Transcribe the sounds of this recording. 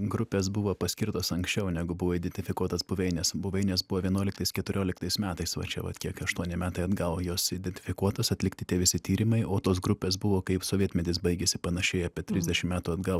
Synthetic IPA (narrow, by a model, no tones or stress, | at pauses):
ɡɾʊpʲeːs̬bʊʋoːpɐsʲkʲɪɾt̪oːsɐŋksʲt͡ʃʲɛʊnʲɛɡʊbʊʋoːɪd̪ʲɛnʲt̪ʲɪfʲɪkuɔt̪ɐsbʊʋʲɛɪnʲɛːsbʊʋʲɛɪnʲɛːsbʊʋoːʋʲiɛnuɔlʲɪk̚t̪ɐɪskʲɛt̪ʊɾʲoːlʲɪkt̪ɐɪsmʲæːt̪ɐɪsʋɐ̰t͡ʃʲɛ̰ʋɐ̰t̪kʲiɛkɐʃt̪uɔnʲɪmʲæːt̪ɐɪɐd̪ɡɐʊjoːsɪd̪ʲɛnʲt̪ʲɪ̥fʲɪkuɔt̪osɐt̪ʲlʲɪkt̪ʲɪt̪ʲiɛʋʲɪsʲɪt̪ʲiːɾʲɪmɐɪoːt̪oːsɡɾʊpʲeːs̬bʊʋoːkɐɪpsoːʋʲiɛt̪ʲmʲɛd̪ʲɪsbɐɪɡʲesʲɪpɐnɐʃʲɛɪɐpʲiɛt̪ʲɾʲɪzʲd̪ʲɛʃʲɪmmʲæːt̪uɐd̪ɡɐʊ